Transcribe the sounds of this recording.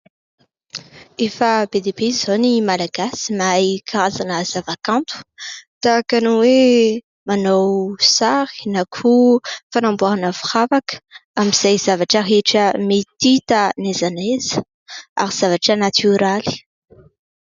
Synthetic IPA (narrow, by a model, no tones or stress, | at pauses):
efəbed̪ebezonimalaɡ̥asimajkʰaɾazanəz̥avakãnt̪u̥t̪akanuwe | manowsaɾi̥nakʰufanãmbuaanəfu̥χavakə̥amiz̥ajz̥avaʈ͡ʂəɦeʈ͡ʂəmet̪it̪ənezanez̥ə̥ | a̰ɾiz̥avaʈ͡ʂənat̪ʰyɾali̥